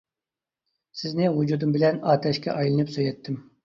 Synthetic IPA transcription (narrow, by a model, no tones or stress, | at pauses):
sɪznɪɦud͡ʒud̪ɨmbɪlɛnɑːt̪ʰɛʃkʲɛ̰ʔɑjlˠɨnɨpsøjɛt̪ʰːɪm